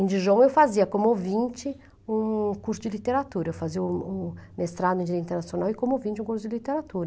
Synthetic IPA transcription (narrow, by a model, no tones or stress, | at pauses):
ẽd͡ʒɪʒõw̃ewfaziɐkõmʊovĩnt͡ʃɪ | ũkuɾsʊd͡ʒɪlit̪eɾat̪uɾɐewfaziɐʊmest̪ɾad̪ʊĩd͡ʒieĩnt̪eɾnasjonawɪkõmʊowvĩnt͡ʃɪũkuɾsʊd͡ʒɪlit̪eɾat̪uɾɐ